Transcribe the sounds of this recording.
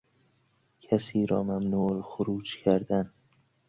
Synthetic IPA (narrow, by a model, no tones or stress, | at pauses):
kʲʰasiɾɒmamnulχʊɾuːt͡ʃkʲʰaɾd̪an